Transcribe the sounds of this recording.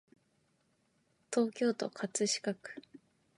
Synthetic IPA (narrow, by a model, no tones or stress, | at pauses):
t̪o̞ːkʲo̞ːt̪o̞kʰat͡sɨɕi̥kakɯ̟̥